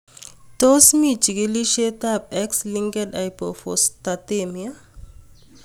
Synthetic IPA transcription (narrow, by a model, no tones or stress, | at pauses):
t̪osmit͡ʃiɡeliʃet̪ap̚ɛksliŋɡedajpofost̪at̪emia